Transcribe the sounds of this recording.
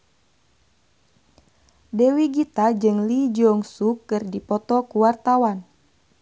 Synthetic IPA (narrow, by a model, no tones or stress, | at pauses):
dɛwiɡit̪ad͡ʒɨŋlid͡ʒɔŋsukɨrdipɔt̪ɔkuwart̪awan